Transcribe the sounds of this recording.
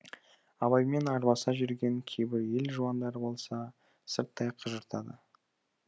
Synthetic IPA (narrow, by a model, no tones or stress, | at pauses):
ɑβɑjme̞nɑɾbɑsɑʒʏɾɡʲe̞ŋkʲʰe̞jbɪɾje̞lʒuɑnd̪ɑɾəbo̞lˠsɑ | səɾt̪ːɑjqʰəʒəɾt̪ʰɑd̪ə̰